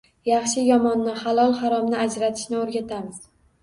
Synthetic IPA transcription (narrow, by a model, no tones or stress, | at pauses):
jɑχʃɪjɒmɒnːɪχalˠɒlˠhaɾɒmnɪad͡ʒɾat̪ʰɪ̥ʃnɪoɾɡʲat̪ʰamɪz̥